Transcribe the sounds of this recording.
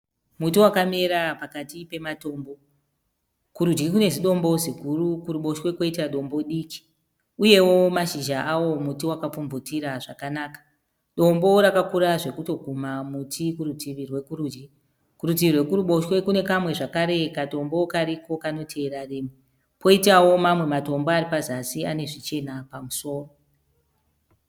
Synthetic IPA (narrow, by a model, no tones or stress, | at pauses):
mutiwakame̞ɾapakatipe̞mato̞ːmbo̞ | kuɾud͡ʒɡikune̞ziɗo̞mbo̞zikurukuɾuɓo̞ʃwe̞kwo̞itaɗo̞mbo̞ɗiːki̥ | uje̞wo̞maʃiʒaʔawo̞mutiwakap͡fumbutiɾaʐakanaːkḁ | ɗo̞mbo̞ɾakakuɾaʐe̞kuto̞ɡʱumamutʰikuɾutiʋirwe̞kuruːd͡ʒi | kuɾut̬iʋirwe̞kuɾuɓo̞ʃwe̞kune̞kamwe̞ʐakaɾe̞kato̞mbo̞kaɾiko̞kano̞tʰe̞ːɾariːmwe | po̞itawo̞mamwe̞mato̞mboaɾipazasiane̞ʐit͡ʃe̞napamuso̞ːro